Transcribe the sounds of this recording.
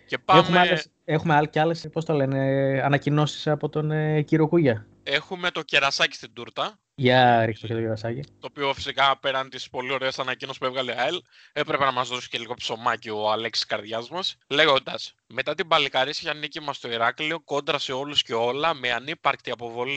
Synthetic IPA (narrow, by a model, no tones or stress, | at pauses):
ce̞pɐemxumeɐess | xumealceɐlespo̞st̪ole̞ne̞ɐnɐcino̞si̥sɐpo̞t̪o̞neciɾokuʝɐ | e̞xume̞t̪o̞ce̞ɾɐsɐci̥st̪ind̪uɾt̪ɐ | ʝɐɾikst̪ocet̪ceɾɐsɐcit̪oːpio̞fi̥sikɐpe̞ɾɐnt̪ispo̞lio̞ɾeesɐnɐcinosi̥puevɣɐleɐel | e̞pɾe̞pe̞nɐmɐzðo̞si̥celiɣopso̞mɐcioɐleksi̥skɐɾðʝɐzmɐsle̞ɣo̞nd̪ɐs | me̞t̪ɐt̪ibɐlikɐɾisiçɐnicimɐst̪o̞iɾɐklio̞ko̞nd̪ɾɐseo̞lusce̞o̞lɐmeɐnipɐɾkt̪iɐpo̞vo̞li